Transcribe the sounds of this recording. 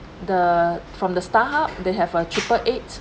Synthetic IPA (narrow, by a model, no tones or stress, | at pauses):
dəfɹɔ̃mdəstaɦap̚deɦɛvətʰɹipəʔet